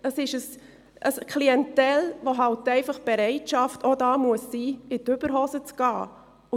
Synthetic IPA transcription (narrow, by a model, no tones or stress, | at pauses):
əsɪʃəs | əskʰliɛntɛlʋoɦɑltɛɪfɑχb̥ɛɾɛɪtʃɑftʰodɑːmuəsːiːɪtʏb̥əɾɦosət͡sɡ̥ɑː | ʊ